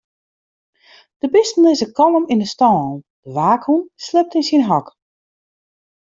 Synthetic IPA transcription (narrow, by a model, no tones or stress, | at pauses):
d̥əbɪstn̩ɪsəkɔləmindəstɔːnˠ | d̥əʋaːkhunslɪp̚tɪnsinɦɔk